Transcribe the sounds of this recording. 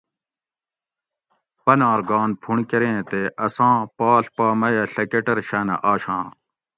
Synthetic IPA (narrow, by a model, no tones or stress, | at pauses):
pɐnaːɾɡãːnpʰuɳkeɾẽːt̪eʔɐsãːpaːɬpaːmɐjɐɬɐkeʈɐɾɕɐːnɐ̰ʔaːɕãː